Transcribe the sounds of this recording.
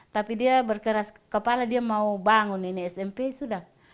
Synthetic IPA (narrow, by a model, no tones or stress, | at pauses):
t̪apidiabɛrkaɾaskapaladiamaubaŋuniniɛsɛmpɛisuda